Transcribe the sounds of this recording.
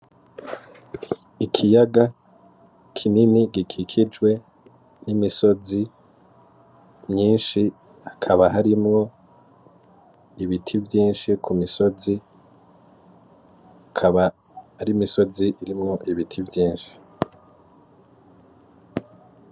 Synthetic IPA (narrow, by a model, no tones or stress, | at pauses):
ikʰijaɡa | kʰininiɡikʰikʰid͡ʒɡwe̞ | nimiso̞zi | mɲiːnʃi | hakʰaβaɦaɾimŋo̞ | iβitʰivjiːnʃikʰumiso̞zi | akʰaβa | haɾimiso̞ziʔiɾimŋo̞ʔiβitʰivjiːnʃi̥